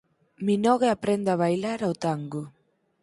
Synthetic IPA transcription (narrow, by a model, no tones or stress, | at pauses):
minɔɣeapɾend̪aβ̞ajlaɾawt̪aŋɡo